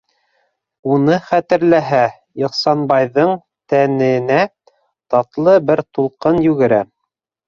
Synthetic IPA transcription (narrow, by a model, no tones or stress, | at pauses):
unɤχæt̪ɘ̆ɾlæɦæ | jŏqsɑnbɑjðɤɴ | t̪ænɘ̆næ | t̪ɑt̪lˠɤbɘɾt̪ulˠqɤnjʉɡɘ̆ɾæ